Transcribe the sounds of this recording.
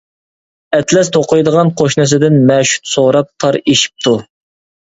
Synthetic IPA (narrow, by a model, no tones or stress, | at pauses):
ɛt̪ʰlɛst̪ʰoqʰʊjd̪əʁɑnqʰoʃnɨs̬ɨd̪ɪnmɛʃu̥t̪soɾɑp̚t̪ʰɑɾeʃi̥p̚t̪ʰu